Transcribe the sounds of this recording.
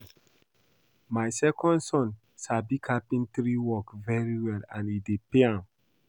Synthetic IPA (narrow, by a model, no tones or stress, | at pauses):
majsɛkʰɔ̃ndsɔ̃n | sabikʰapĩntɾiwɔkvɛɹiwɛlãnidepeãm